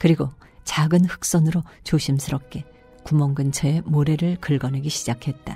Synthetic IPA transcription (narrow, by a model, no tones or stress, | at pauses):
kɯɾiɡo | t͡ɕaɡɯnɸɯ̥k̚s͈ʌnɯɾot͡ɕoɕʰimsʰɯɾʌp̚k͈e̞ | kumʌŋɡɯnt͡ɕʰʌe̞moɾe̞ɾɯɭkɯɭɡʌneɡiɕʰid͡ʑakʰe̞t̚t͈a